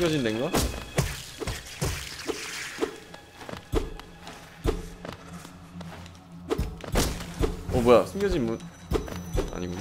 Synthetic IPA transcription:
ɡjʌd͡ʑindenɡa | ʌmojasʰɯŋɡjʌd͡ʑinmun | a̰ɲiɡu

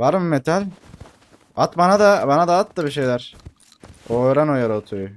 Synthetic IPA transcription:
vaɾmɯmet̪ʰalʲ | at̪banad̪abanad̪aːt̪ːabiʃ̬ejlʲæɾ̥ | oːjɾanojaɾot̪ʰuju

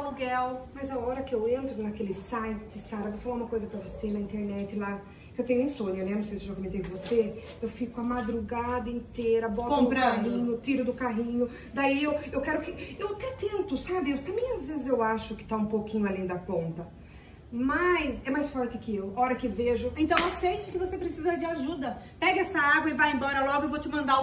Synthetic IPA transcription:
luɡɛwmɐjzaɔɾɐkɪewẽnt̪ɾʊnɐkelɪsajt͡ʃɪsaɾɐvowfalaũmɐkojzɐpɾɐvosenɐĩnt̪eɾnɛt͡ʃ̪ɪla | kɪewt̪ẽɲʊẽsõɲɐnɛnɐ̃w̃sejsɪʒakomẽt̪ejʊd̪ɪvose | ewfikʊɐmad̪ɾuɡad̪ɐẽnt̪ejɾɐbɔtkoɐ̃pɾɐ̃aɦĩɲʊt̪iɾʊd̪ʊkaɦĩɲʊ | d̪aiewewkɛɾʊkɪewat̪ɛt̪ẽnt̪ʊsabɪewt̪ɐ̃mbẽj̃azvezɪzewaʃʊkɪ̥t̪aũpokĩɲʊalẽj̃d̪ɐpõnt̪ɐ | majsɛmajsfɔɾt̪ɪkɪewɔɾɐkɪveʒʊẽnt̪ɐ̃w̃asejt͡ʃɪkɪvosepɾesizɐd͡ʒɪaʒud̪ɐpɛɡɐɛsɐaɡwɐɪvajẽbɔɾɐlɔɡʊewvot͡ʃɪmɐ̃nd̪a

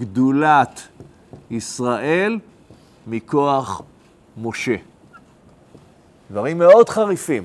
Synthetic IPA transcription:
ɡdulat̪ | isʁaʔe̞l | miko̞aχ | mo̞ʃe̞ | d̥̪vaʁimːeo̞d̪χaʁifim

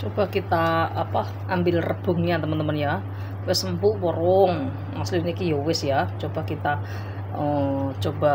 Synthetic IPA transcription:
t͡ʃob̥a̤hkit̪aapa | ʔambɪlrəb̥ʊ̤ŋɲat̪əmənt̪əmənja | wɪsəmpuʔwəɾʊŋ | naslinikijowɪsjat͡ʃob̥a̤hkit̪a | ət͡ʃob̥a

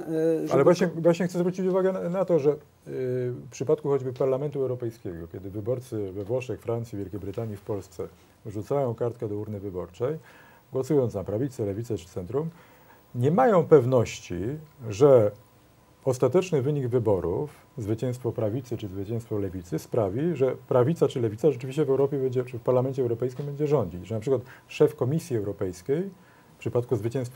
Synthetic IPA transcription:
alɛvvwaɲɛvwaɕɲɛxt̪ɛzvɾut͡ɕit͡ɕuvaɡɛnat̪ɔʐɛ | pʂɘpat̪̚kuxɔd͡ʑbɘpaɾlamɛnt̪uɛwɾɔpɛjskʲɛɡɔkʲɛd̪ɘvɘbɔɾt̪sɘvɛvwɔʂɛkfɾant̪sʲivʲjɛlkʲejbɾɘt̪aɲifpɔlst̪sɛ | vʐut̪sajɔ̃w̃kaɾt̪kɛd̪ɔuɾnɘvɘbɔɾt͡ʂɛj | ɡwɔsujɔnt̪napɾavʲit̪sɛlɛvʲit̪sɛt͡ʂɘ̥t̪sɛnt̪ɾum | ɲɛmajɔ̃w̃pɛvnɔɕt͡ɕiʐɛ | ɔst̪at̪ɛt͡ʂnɘvɘɲiɡvɘbɔɾṵf | zvɘt͡ɕɛ̃w̃st̪fɔpɾavʲit̪sɘt͡ʂɘzvɘt͡ɕɛ̃w̃st̪fɔlɛvʲit̪sɘspɾavʲiʐɛpɾavʲit̪sat͡ʂɘlɛvʲit̪saʐɛt͡ʂɘvʲiɕt͡ɕɛvɛwɾɔpʲjɛbɛɲd͡ʑɛt͡ʂɘfpaɾlamɛnt͡ɕɛwɾɔpɛjskʲimbɛɲd͡ʑɛʐɔ̃ɲd͡ʑit͡ɕʐɛnapʂɘkwat̪ʂɛfkɔmʲisʲjiɛwɾɔpɛjskʲej | pʂɘpat̪kuzvɘt͡ɕɛ̃w̃st̪f

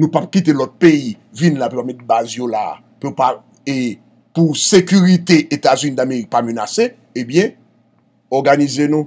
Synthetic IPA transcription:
nũpap̚kit̪elɔt̪̚pei | vinlapiopap̚mɛt̪̚bazjola̰ | piopa | e | pusekyʁit̪eʔet̪azynĩd̪ameʁik̚pamønase | ebjɛ̃ | ɔʁɡanizenũ

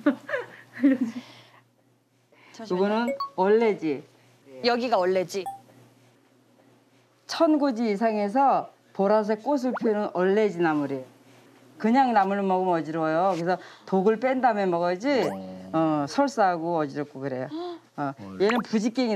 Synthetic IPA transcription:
kuɡʌnɯnʌɭːe̞d͡ʑi | jʌɡiɡaʌɭːed͡ʑi | t͡ɕʰʌnɡod͡ʑiːs̬ʰaŋe̞s̬ʰʌ | poɾas̬ʰek͈os̬ʰɯɭpʰionɯnʌɭːe̞d͡ʑinamuɾi | kɯɲaŋnamɯɭɯmʌɡɯmʌd͡ʑiɾwʌjokɯɾesʰʌtoɡɯɭp͈endamjʌnmʌɡʌd͡ʑiʌsʰʌɭs͈aɦaɡoʌd͡ʑiɾʌk̚k͈okɯɾe̞jo | ʌjenɯnpud͡ʑik͈eŋi

